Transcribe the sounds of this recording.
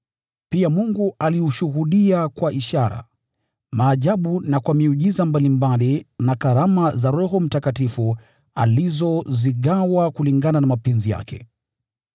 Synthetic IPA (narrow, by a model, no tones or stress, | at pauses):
piamuŋɡualiuʃuɦuɗiakwaʔiʃaɾa̰ | maːʄaɓunakwamiuʄizambalimbalinakaɾamazaɾɔhɔm̩takatifu | a̰lizɔziɠawakuliŋɡananamapɛnzija̰kɛ̰